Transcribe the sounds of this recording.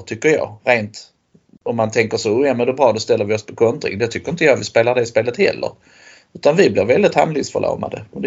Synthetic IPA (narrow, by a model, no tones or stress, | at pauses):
t̪ʰʏkːəjɑ̰ːɾeːnt̪ | ɔmːant̪ʰɛŋkəʂɔʊjɑmɛnd̪ɛbɾɑːd̪ɔst̪ɛlːəɾvɪɔspʰɔkʰɔnt̪ɾɪ̰ŋd̪ɛt̪ʰʏkːəɾɪnt̪əjɑːt̪vɪspeːlaɖɛspeːlət̪hɛ̰lːə̰ɾ | ʉ̟ːt̪anvɪblɪɾvɛld̪ɪt̪ha̰mlɪɡsfœ̰ɭʔo̰ːma̰d̪ə̰mɛd̪